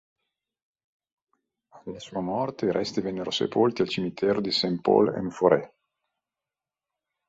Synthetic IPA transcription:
alːasuːamɔrt̪eiɾɛst̪ivɛnːeɾosḛpolt̪ialt͡ʃimit̪ʰɛːɾod̪isempo̰lḛnfoɾɛ̰

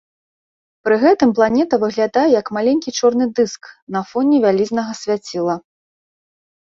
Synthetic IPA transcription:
pɾɨɣɛt̪ɨmplˠanʲɛt̪ɐvɨɣlʲad̪ajɛjɐkmalʲenʲkʲit͡ʂɔrnɨd̪ɨsknɐfɔnʲɛvʲalʲizʲnɐɣɐsʲvʲat͡sʲilˠɐ

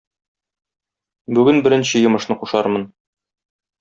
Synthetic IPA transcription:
bʉɡɘnbɘ̆ɾɘ̆nɕɘjɤ̆mɤ̆ʃnɤquʃɑɾmɤn

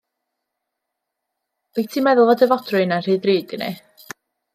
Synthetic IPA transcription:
ɛɡtʰiːmɛðʊlˠvɔdəvɔdrʊɨnar̥iːðriːdɪnɨ̰

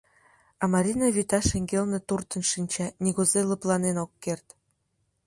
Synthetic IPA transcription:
ɑmɑɾʲinɑβit̪ɑʃeŋɡelnĕt̪urt̪ə̆nʃinʲt͡ɕɑnʲiɣozelə̆plɑnenokːert̪

